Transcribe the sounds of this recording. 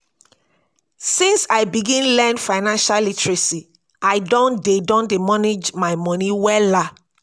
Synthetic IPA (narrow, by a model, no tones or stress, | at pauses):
sĩnsaɪbiɡĩnlɛ̃nfaɪnãnʃalitɹisi | aɪdɔ̃ndedɔ̃ndimɔned͡ʒmaɪmɔ̃niwɛla